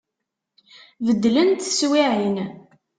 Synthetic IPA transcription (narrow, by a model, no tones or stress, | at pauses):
vəd̪ːlənt̪swiʕin